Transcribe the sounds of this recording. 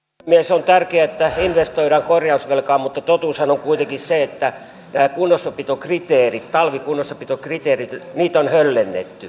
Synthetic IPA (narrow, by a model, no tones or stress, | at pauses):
miesont̪ærkeæet̪ːæinʋest̪oiɾɑŋkorjɑusʋelkɑːmmut̪ːɑt̪ot̪uˑːshɑnoŋkuit̪eŋkisseet̪ːæ | næːkunːosːɑpit̪okrit̪eːrit̪t̪ɑlʋikunːosːɑpit̪okrit̪eːrit̪niːt̪onhølːenːḛt̪ːy